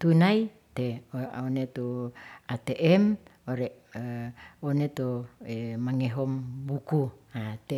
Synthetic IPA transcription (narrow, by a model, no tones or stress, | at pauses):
t̪unai | t̪eoonet̪uat̪eʔɛm | oɾeʔ | onet̪oemaŋeɦɔmbukuat̪e